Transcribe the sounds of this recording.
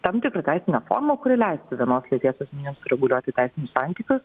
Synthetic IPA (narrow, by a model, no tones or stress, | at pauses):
t̪ɐmt̪ʲɪkɾɐt̪ʲæɪsʲɪnʲɛfo̰ːɾmɐkʊɾʲɪlʲɛɪsʲt̪ʲɪʋʲiɛnoːslʲit̪ʲiɛsoːsmʲiːnʲɪmsʊɾʲɛɡʊlʲuɔt̪ʲɪt̪ʲɛɪsʲɪnʲʊssɑnʲt̪ʲiːkʊs